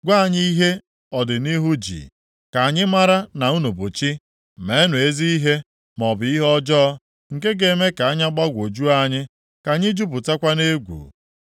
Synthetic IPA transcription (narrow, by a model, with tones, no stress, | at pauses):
ɡʷa˦˨ɲɪ˦i˦ɦe˦ | ɔ˨dɪ˨ni˦ɦu˦d͡ʒḭ˨ | ka˨a˨ɲɪ˦ma˦ɾa˦na˨u˦nu˨bʊ˨t͡ʃi˦ | me˨˦nʊ˨e˦zi˦i˦ɦe˦ | m˨ɔ˨bʊ˨i˦ɦɔ˦d͡ʒɔ˦ | ŋ̩˨ke˦ɡe˨˦me˦ka˨a˦ɲa˦ɡ͡ba˦ɡʷo˨d͡ʒu˦a˦ɲɪ˦ | ka˨ɲɪ˦d͡ʒu˦pʊ˨ta˦kʷa˦ne˦ɡʷṵ˨